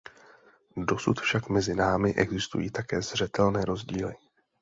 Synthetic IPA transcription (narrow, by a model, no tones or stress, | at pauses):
do̞sut̪fʃakmɛzɪnaːmɪʔɛɡzɪst̪ṵjḭːt̪akɛːzr̝ɛt̪ɛlnɛːɾo̞zɟiːlɪ